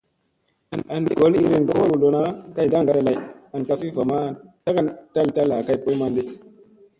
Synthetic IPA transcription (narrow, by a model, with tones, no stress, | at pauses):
a˨na˨ndḭ˨ɡo˦li˦ɾi˦˨ŋ˨ɡo˦wo˦wu˨lo˨na˦ka˦jda˦ŋɡa˨ɾa˦˨la˨a˨nka˦fi˦va˨ma˦˨ta˦ka˦nta˦lta˦la˨ka˦jpo˦ma˦ndi˦